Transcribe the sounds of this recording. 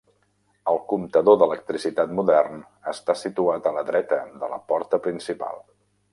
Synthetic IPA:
əlˠkumt̪əðoðələk̚t̪ɾisit̪at̪muðɛrn | əst̪asit̪uat̪ələðɾɛt̪əd̪ələ̰pɔɾt̪əpɾinsipa̰lˠ

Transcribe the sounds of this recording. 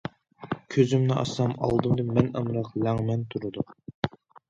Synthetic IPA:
kʲʰøzymnɪʔɑ̰sɑmɑ̰lˠd̪ɨmd̪ɨmɛnəmɾɑqlæŋmɛnt̪ʰuɾɨd̪ʊ

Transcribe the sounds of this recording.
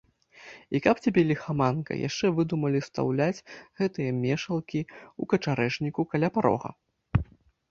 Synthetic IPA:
ikɐpt͡sʲabʲɛlʲixamankɐ̰ja̰ʂt͡ʂɛvɨd̪umɐlʲist̪a̰wlʲat͡sʲɣɛt̪ɨjɐmʲɛʂɐlˠkʲiukɐt͡ʂaɾɛʂnʲikukalʲapaɾɔ̰ɣɐ̰

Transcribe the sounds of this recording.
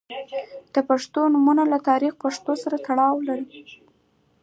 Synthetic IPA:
d̪̥əpaʂt̪onumunalat̪ɑɾixpaʂt̪osaɾat̪aɽɑwlaɾi

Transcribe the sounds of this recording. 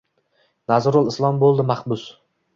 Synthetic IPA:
nazɾʊlˠɪslˠɒmbolˠd̪ɪmahbʊs

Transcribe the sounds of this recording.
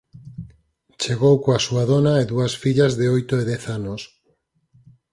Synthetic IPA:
t͡ʃeɣowkoasuaðonaeðuasfiʎazðeojt̪oeðɛθanos

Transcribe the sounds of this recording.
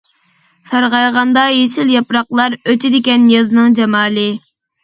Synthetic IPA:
sɑɾʁɑjʁɑnd̪ɑjesɪljɑpɾɑqlˠɑɾøt͡ʃ̪ʰɪd̪ɪkʲɛnjɑzɨnɨŋd͡ʒɛmɑːlˠɨ

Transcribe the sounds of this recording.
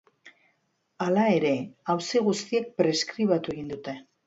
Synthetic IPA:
alae̞ɾe̞awsiɣ̞ust̪iek̚pɾe̞skɾiβat̪ue̞ɣind̪ut̪e̞

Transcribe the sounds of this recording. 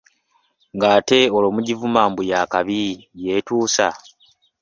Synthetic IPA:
ŋɡaːte̞oloːmuɟivumaːmbujaːkaβijetuːsa̰

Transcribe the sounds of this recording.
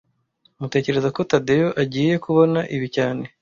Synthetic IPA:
umute̞ːce̞ɾe̞zako̞tadejoʔaɟiːje̞kuβo̞naʔiβicaːne̞

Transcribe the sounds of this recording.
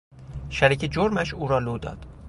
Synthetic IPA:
ʃæɾiːcʰed͡ʒoɾmæʃuːɾɒːloːd̪ɒ̰ːd̪̥

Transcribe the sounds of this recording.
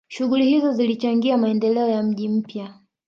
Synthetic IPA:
ʃuɣulihizɔzilit͡ʃaŋɡiamaɛndɛlɛɔjam̩ʄim̩pja

